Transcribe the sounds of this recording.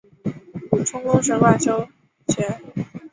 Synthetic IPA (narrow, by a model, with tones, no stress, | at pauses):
u˨˩ʈ͡ʂʰʊ˥ŋkʊ˥ŋʂə˧˥nkwa˥˩ʈ͡ʂo˥ʊ | t͡ɕʰɥɛ˧˥n